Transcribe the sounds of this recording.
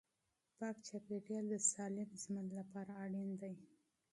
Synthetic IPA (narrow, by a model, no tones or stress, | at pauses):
pɑkt͡ʃapeʈjɑld̪əsɑlɪmzimanlapɑɾaːɽind̪aj